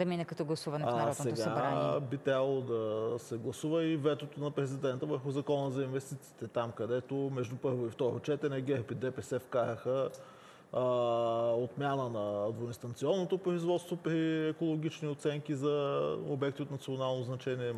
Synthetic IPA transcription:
d̪ɐminɛkɐt̪ɔɡlˠɐsuvɐnɛnɐɾɔsɛɡ̪aɾaiɛbit̪ɾʲabəlˠod̪ɐsɛɡlˠɐsuvəivɛt̪ot̪onɐpɾɛzid̪ɛnt̪əvəɾxʊzɐkɔnəzɐinvɛst̪it̪si̥ːt̪ɛt̪amkɐd̪ɛt̪omɛʒd̪upɤɾvoift̪ɔɾo̰t͡ʃɛt̪ɛɾnɛɡɛɾpid̪ɛpɛsɛfkaɾəxə | ot̪mjanənɐːd̪voinst̪ɐnt̪siɔnːot̪opɾoizvɔt̪st̪vopɾiɛkolˠoɡ̟ʲit͡ʃniot̪sɛŋkizɐo̰bɛkt̪iot̪nɐt̪sionalˠnoznɐt͡ʃɛniɛ

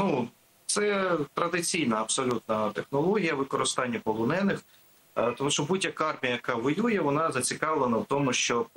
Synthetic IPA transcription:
nu | t̪sɛt̪ɾɐd̪ɪt͡sʲijnɐːpsɔlʲut̪nɐt̪exnɔlˠɔɦʲijɐʋɪkɔɾɪst̪ɑnʲːɐpɔlˠɔnɛnɪx | t̪ɔmuʃt͡ʃɔbudʲːɐkɑrmʲijɐjɐkɑʋɔjujɛʋɔnɑzɐt͡sʲikɑʋlˠenɐwt̪ɔmʊʃt͡ʃɔ

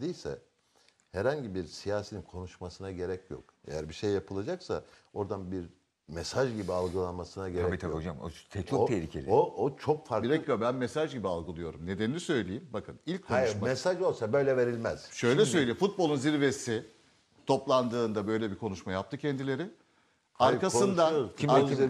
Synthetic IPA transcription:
d̪ijʲsɛ̰ | hɛɾhaɲɟibiɾsijaːseninkʰo̞nuʃmasɯnaɟe̞ɾɛcjo̰k̚ḛjæɾbiʃejːapʰɯlˠad͡ʒaksa̰o̞ɾd̪anbiɾ | mɛsaʒɟibialˠɡɯlˠanmasɯnaɟeɾaɛit̪ʰabiɦod͡ʒamo̰t̪ʰɛcʰot̪ʰɛhɾiːcʰelʲioot͡ʃʰokfaɾkbiɾɛobænmesaʒɟibialˠɡɯlˠɯjo̞ɾumne̞d̪enilʲisø̞jlʲejimbakʰɯnilʲc̚kʰːouʃmmamɛsaʒo̞lˠsabø̞jlʲɛve̞ɾilʲmæz̥ʃø̞jjlʲɛsøjlʲejimfut̪̚bo̞lˠunziɾve̞si | t̪ʰo̞plˠand̪ɯːnd̪abø̞jlʲɛbikʰo̞nuʃmajap̚t̪ɯcʰɛnd̪ilʲe̞ɾɪ | aɾɾkasɯnd̪aimei

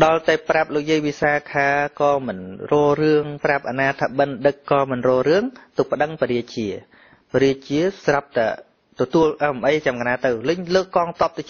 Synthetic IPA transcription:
ɗɑlt̪aɛprap̚loːk̚jiəjʋisaːkʰaːkɑːmɨnrɔːrɨəŋprap̚ʔanaːt̪ʰaɓɨnɗɨkːɑːmɨnrɔːrɨəŋt̪uk̚pə̆ɗəŋpəɾiəc̚t͡ɕiə | pəɾiət͡ɕiəsrap̚t̪aɛ | t̪ɔt̪uəlʔmʔəjt͡ɕamkanaːt̪ɨwlɨɲləːkːɑːŋt̪ŏəp̚t̪ɨt͡ɕ

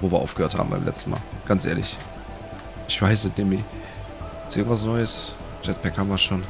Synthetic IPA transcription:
voːviːɐa̰ʊfɡ̥əhøːɐtha̰ːbm̩baɪmlɛ̰t͡stn̩ma̰ːlɡ̥ansʔeːɐlɪ̰ç | ʔɪçv̥aɪs̬ənemi | ɪt͡sʔɪːɡŋ̩tvas̬nɔʏəs | d͡ʒɛt̚pʰɛkʰhamɐʃoːn

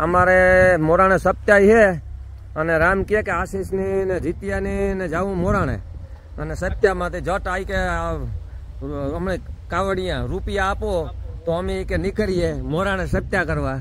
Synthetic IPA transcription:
əmaːɾemoːɾaːnẽsəp̚t̪jaːiɦeː | əneɾaːmkɪjekeaːsiːsnened͡ʒit̪ɪjaːnened͡ʒaːʋũːmoːɾaːnḛ̃ː | əneːsət̪jaːmãːt̪ed͡ʒəʈaːike | əmneːkaːʋəɽɪjãːɾuːpɪjaːpot̪oəmekenɪkəɾijeːmoːɾaːnẽsəp̚t̪jakəɾʋaː

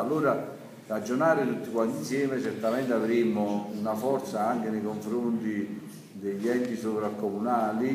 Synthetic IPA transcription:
alːuːɾa | rad͡ʒːonaːɾɪt̪ut̪ːikwant̪insjɛːmet͡ʃɛrt̪amɛnt̪avɾimːʊunafɔɾt̪saaŋkenejkoɱfɾont̪i | d̪eʎːɛnt̪isovɾakːomunaːli

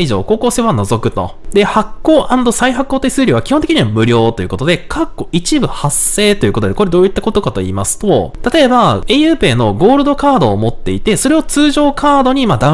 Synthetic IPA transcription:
iʑo̞ːko̞ːko̞ːse̞ːβano̞zo̞kɯ̟t̪o̞̰d̪e̞hakːo̞ːʔãnd̪o̞saiɦakːoːt̪ːeisɨːɾʲiβakʲi̥hont̪ekiɲ̟iβamɯ̟ɾʲo̞ːt̪o̞jɯ̟ko̞t̪o̞d̪e̞kʰakːo̞ʔit͡ɕibɯ̟hasːe̞ːt̪o̞jɯ̟ko̞t̪oko̞ɾe̞d̪oːit̪ːako̞t̪o̞kat̪o̞ḭːmasɨ̥t̪o̞̰t̪at̪o̞e̞baejɯ̟ːpe̞ːno̞ɡo̞ːɾɯ̟d̪o̞kaːd̪o̞ːmo̞t̪ːe̞it̪e̞so̞ɾe̞o̞t͡sɨːʑo̞ːkʰaːd̪o̞ɲ̟imad̪ã

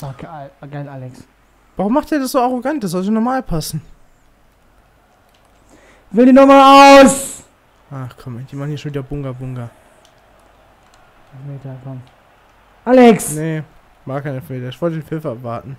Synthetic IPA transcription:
akɡaɪlʔaːlɛks | vaʁʊmːaχtd̥iːɐdasz̥oːaʁoɡantd̥aszɔltdinɔmaːlpʰasn̩ | vɪldiːnɔχmaːlaʊs | ʔaχkʰɔmd̥iːmaχn̩hiːʃonviːdɐbʊŋɡɐbʊŋɡɐ | fmeːtɐkʰɔm | ʔaːlɛksne | maːkʰaɪnəfmeːtɐɪçv̥ɔltədeːnfɪfʔapv̥a̰ɐtn̩

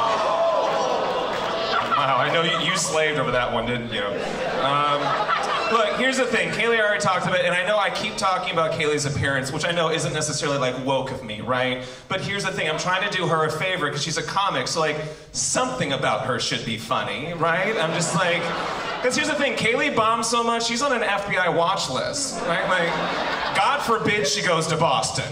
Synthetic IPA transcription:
waʊaɪnoʊjɨjɨsleɪvdoʊvə˞ðɨʔ̚wʌ̃ndɪdⁿn̩t͡ʃʉ | ʌ̃mlʊkhiɹzɨθɪ̃ŋkʰeɪlˠiɑɹitʰɔk̚tɨbɪɾɨ̃ñaɪnoʊaɪkʰip̚tʰɔkɪ̃ŋɨbaʊt̚kʰeɪlˠizɨpʰɪɹɨ̃ntswɨt͡ʃaɪnoʊɪzɨ̃nɛsɨsɛɹl̩ˠilaɪkwoʊkʌvmḭɹaɪt̚ | b̥ʌt̚hiɹzɨθɪ̃ŋãɪ̃tʰɹ̥aɪɪ̃ŋtʰɨdɨə˞ɨfeɪvə˞ɨt̚kʰʌz̥ʃizɨkʰɑmɨksoʊlaɪk | sʌ̃mθɪ̃ŋɨbaʊt̚hə˞ʃɨd̚bifʌ̰ni | ɹaɪt̚ãɪ̃md͡ʒʌst̚ˡlaɪk | kʌz̥hiɹzɨθɪ̃ŋkʰeɪlˠibɑ̃mz̥soʊmʌt͡ʃʃizn̩ɨ̃n̩ɛfb̥iaɪwɑt͡ʃlɪ̰s | ɹaɪt̚laɪk̚ | ɡ̥ɑd̥fə˞bɪd̥ʃiɡoʊz̥tɨbɔstɨ̰̃n

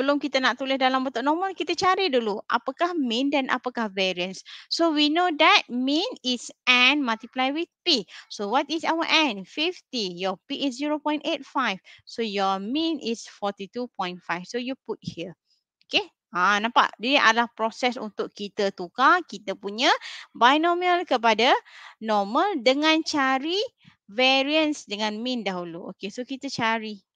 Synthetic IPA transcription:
bəlʊmkit̪ənaʔt̪ulɪhdalambət̪uʔnɔməlkit̪ət͡ʃaɾiduluʔa̰pakahmĩndanʔa̰pakahvɛɹiənsːowinodɛt̚mĩnisɛnmalt̪iplajwiθpisowɔtisawəʔɛ̃nfift̪ijɔpiːs̬ziɹopɔ̃j̃ntet̚fajfsojɔmĩnḭsfɔt̪it̪upɔ̃j̃nfajfsojuput̚hiə | oke | ãnãpa̰ʔdadiʔa̰dlahpɾɔsɛsṵnt̪ʊʔkit̪ət̪ukakit̪əpuɲabajnɔminəlkəp̬adanɔməldəŋãnt͡ʃaɾi | vɛɹiənsdəŋãnmĩndaɦuluʔo̰kesokit̪ət͡ʃaɹi

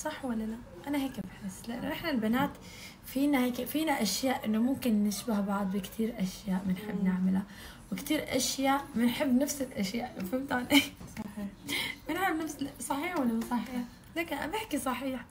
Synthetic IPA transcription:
sˤɑħːwalːalaʔ | ʔanaɦeːkbħɪsːlɪʔa̰nːʊʔɪħnalbanaːt̪ | fiːnaheːkfiːnaʔaʃjaːʔʔɪnːʊmʊmkɪnːɪʃbahbɑʕd̪ˤbɪkt̪ʰiːɾʔaʃjaːʔmɪnħɪbːnɪʕmɪla | wɪkt̪iːɾʔa̰ʃjaːʔmɪnħɪbːnafsɪlʔaʃjaːʔnafamt̪anisˤɑħmɪnɪʕmɪbnafssˤɑħiːħwalːasˤɑħiːħ | laːka̰bɪħkisˤɑħiːħ

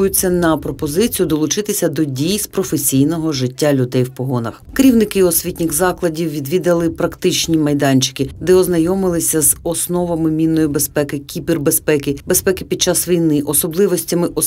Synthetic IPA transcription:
jʊt͡sʲːɐnɐpɾɔpɔzɪt͡sʲijʊd̪ɔlˠʊt͡ʃɪt̪ɪsʲɐd̪ɔdʲijspɾɔfesʲijnɔɦɔʒɪtʲːalʲʊd̪ɛjwpɔɦɔnɐxkeɾʲiwnɪkɪɔsʲʋʲitʲnʲɪɣzɑklˠɐdʲiwʋʲid̪ʋʲid̪ɐlˠɪpɾɐkt̪ɪt͡ʃnʲimɐjd̪ɑnʲt͡ʃɪ̥kɪd̪ɛɔznɐjɔmɪlˠɪsʲɐzɔsnɔʋɐmɪmʲinːɔjibespɛkɪkʲibʲirbespɛkɪbespɛkɪpʲid̪̚t͡ʃɑsʋʲijnɪʔɔsɔblˠɪʋɔsʲtʲɐmɪʔɔ

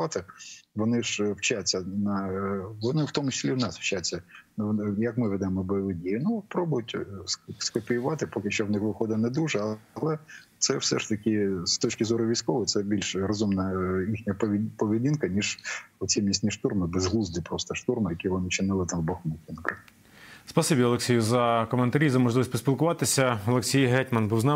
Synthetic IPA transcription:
ɑt̪ɪʋɔnɪʒwt͡ʃat͡sʲːɐnɐʋɔnɪwt̪ɔmʊt͡ʃɪ̥sʲlʲiwnɑsw̥t͡ʃat͡sʲːɐ | jɐkmɪʋɪd̪ɛmɔbɔjɔʋɪdʲijɪnʊpɾɔbʊjʊtʲsskɔpʲijʊʋɑt̪ɪpɔkɪʃt͡ʃɔʋnɪxʋɪxɔd̪ɪnɛd̪uʒɛɐlˠɛ | t̪sɛwsɛ̰ʃt̪ɐkʲɪst̪ɔt͡ʃkʲɪzɔɾʊʋʲijsʲkɔʋɔsɛbʲilʲʃrɔzumnɐixnʲɐpʲpɔʋʲidʲinkɐnʲiʒɔsʲimʲisʲnʲiʃt̪urmɪbezɦlˠuzd̪ɪpɾɔst̪ɐʃt̪urmɪjɐkʲiʋɔnɪt͡ʃɪnɪlˠɪt̪ɑmbɔxmɐkʲinkɾɪ | spɐsibʲiɔlˠeksʲijʊzɐkɔment̪ɐɾʲizɐmɔʒlˠɪʋɔsʲpɔsʲpʲilˠkʊʋɑt̪ɪsʲɐɔlˠeksʲijɦɛtʲmɐnbuwznɑ

